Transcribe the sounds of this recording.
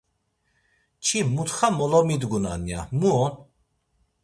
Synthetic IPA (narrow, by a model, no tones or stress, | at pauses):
t͡ʃʰimut̪χamɔlɔmid̪ɡuna̰nja̰muɔn